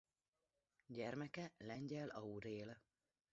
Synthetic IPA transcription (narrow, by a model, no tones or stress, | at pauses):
ɟɛrmɛkɛlɛɲɟɛlɒuɾeːl